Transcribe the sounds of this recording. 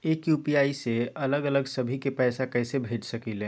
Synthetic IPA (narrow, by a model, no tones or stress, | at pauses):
eːkjuːpiaːiseɐləɡələɡsɐbʱikepɛːsakɛːsebʱeːd͡ʒsɐkilẽː